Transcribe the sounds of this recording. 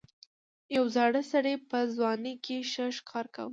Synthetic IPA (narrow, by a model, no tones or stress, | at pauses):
jawzɑɽəsaɽepəzwɑnekʰeʃəʃkʰɑɾka̰wə